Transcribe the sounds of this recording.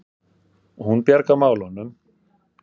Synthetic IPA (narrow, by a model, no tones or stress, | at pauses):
ɔhunpjaɾkamaːwlɔnːʏm